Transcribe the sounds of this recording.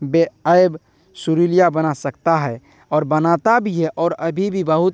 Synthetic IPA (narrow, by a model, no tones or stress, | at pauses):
beəeb | suɾilijabənasəkt̪aɦɛ | ɔːɾbənat̪abʱiɦɛʔɔːɾəbʱibʱibəɦut̪